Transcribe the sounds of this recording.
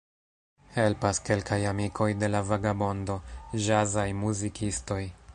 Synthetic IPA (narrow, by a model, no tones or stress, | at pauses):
he̞lpaske̞lkajamikʰo̞jde̞lavaɡabo̞ndo̞ʒazajmuzikisto̞j